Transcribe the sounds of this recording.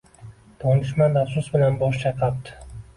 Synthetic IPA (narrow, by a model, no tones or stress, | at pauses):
d̪̥ʰɒnɪʃmad̪afsʊsbɪlanbɒʃt͡ʃʰɑjqʰɑp̚t̪ɪ̥